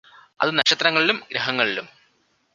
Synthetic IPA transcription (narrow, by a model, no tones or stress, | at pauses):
ɐ̰ðɨnɐɕɐt̪ːɾɐŋːɐɭilumɡɾɐɦɐŋːɐɭilum